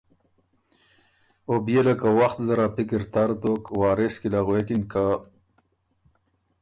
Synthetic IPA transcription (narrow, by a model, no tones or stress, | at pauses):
objelakawaxt̪zaɾapikɪɾt̪aɾt̪okwɑːɾeskilaɣwekinka